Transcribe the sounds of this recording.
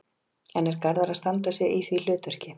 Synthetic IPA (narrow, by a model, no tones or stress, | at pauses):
ɛnɛɾkaɾðaɾaðst̪ant̪asjɛɣiθvilʏːt̪œr̥cɪ